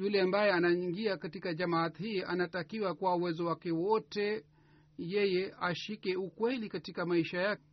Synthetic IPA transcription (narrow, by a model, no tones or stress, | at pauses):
ulɛambajɛanaiŋɡiakatikaʄamat̪hiːʔanatakiwakuwauwɛzɔwakɛwɔtɛ | jɛjɛʔaʃikɛukwɛlikatikamaiʃajak